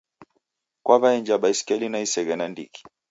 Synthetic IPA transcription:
kwaβaɛnd͡ʒaɓaiskɛlinaisɛɣɛnandḭki̥

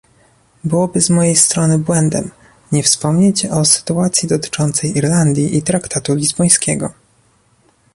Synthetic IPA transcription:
bɘwɔbɘzmɔjejst̪ɾɔnɘbwɛnd̪ɛ̰m | ɲɛfspɔmɲet͡ɕɔsɘ̥t̪uat̪sʲjid̪ɔt̪ɘ̥t͡ʂɔnt̪sɛjʔiɾland̪ʲjiʔit̪ɾakt̪at̪ulʲizbɔj̃skʲɛɡɔ

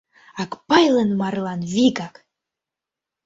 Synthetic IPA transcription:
ɑkpɑjlənmɑɾlˠɑnviɡak

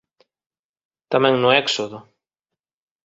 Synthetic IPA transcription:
t̪amɛ̃ŋnʊɛksoðʊ

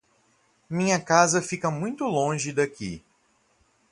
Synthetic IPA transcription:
mĩɲɐkazɐfikɐmũj̃t̪ʊlõʒɪd̪akḭ

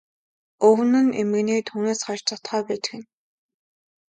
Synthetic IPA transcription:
ɵw̆nɘ̆nemɘ̆ɣniːt̪ʰuːneːsχɔt͡ɕt͡sɔt̪χœːpæːt͡ɕ̪ɘ̆xɘ̆n

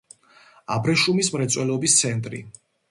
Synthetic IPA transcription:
abɾɛʃumismɾɛt̪sʼwɛlɔbist̪sʰɛnt̪ʼɾḭ

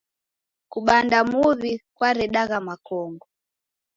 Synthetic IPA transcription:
kuɓandamuβikwaɾɛɗaɣamakɔŋɡɔ

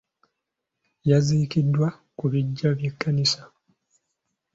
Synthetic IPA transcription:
jaziːkidːwa | kuβiɟːaβjekːanisḁ

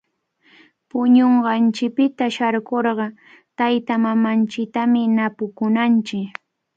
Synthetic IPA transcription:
pʊɲoɴɢɑnt͡ʃɪk̚pɪt̪aʃaɾkoɾɢɑ | t̪ajt̪amamant͡ʃɪk̚t̪amɪnapʊkʊnant͡ʃɪk

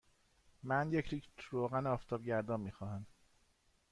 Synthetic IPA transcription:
mænjecʰɾiːkt̪ɾoːɣænɒːft̪ʰɒːbɟæɾd̪ɒːmiːxɒːɦæm

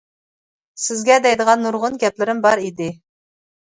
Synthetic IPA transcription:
sɪzɡʲɛd̪ɛjd̪əʁɑnːuɾʁʊnɡʲɛplɪɾɪmbɑɾid̪ɪ

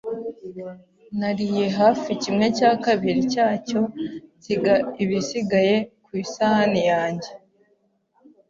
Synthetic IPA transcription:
naɾije̞ɦaːficimŋe̞caːkaβiɾicaːco̞ciɡaiβisiɡaje̞kwiːsahanijaːɲɟe̞

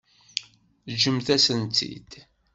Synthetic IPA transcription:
ʒəmθæsənt̪ʰːḭd̪̥

